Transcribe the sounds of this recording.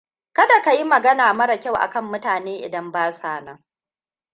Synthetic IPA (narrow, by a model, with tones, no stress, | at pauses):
kɐ˦da˨ka˨ji˦mɐ˨ɡɐ˦naː˨mɐ˦ɽa˨kʲa˦wʔa̰˨kɐ˦mːʊ˦taː˨neː˦ʔɪ̰˨dɐ˦mbaː˦saː˦˨na˦